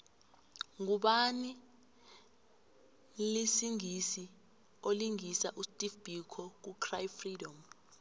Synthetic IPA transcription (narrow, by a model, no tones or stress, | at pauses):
ŋuɓani | lisiŋisi | oliŋisaʔustʼifb̥ʱikʰɔk̬ukʰrajfridɔm